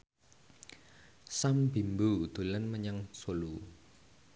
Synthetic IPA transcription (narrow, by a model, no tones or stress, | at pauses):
sambi̤mbud̪̥ṳlənməɲaŋsolu